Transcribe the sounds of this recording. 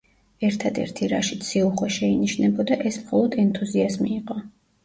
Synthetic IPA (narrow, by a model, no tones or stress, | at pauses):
ɛɾt̪ʰad̪ɛ̰ɾt̪ʰiɾaʃit̪sʰiuχwaʃɛiniʃnɛbɔd̪aʔɛsmχɔlˠɔd̪ɛnt̪ʰuziazmiːqʼɔ